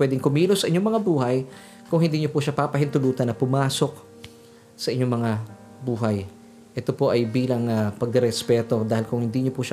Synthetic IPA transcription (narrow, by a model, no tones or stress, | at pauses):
pwɛːd̪ɪŋkʊmiːlosɐʔɪɲo̞ŋmɐŋabuːhɐj | kʊŋhɪnd̪iːɲopʊʃapapɐhɪnt̪ʊluːt̪ɐnːɐpʊmaːso̞k̚ | sɐʔɪɲːo̞ŋmɐŋa | buːɦɐj | ʔɛt̪o̞po̞ʔɐjbiːlɐŋɐpɐɡ̚ɾɛspɛːt̪o̞d̪aːhɪlkʊŋhɪnd̪iːɲopʊʃa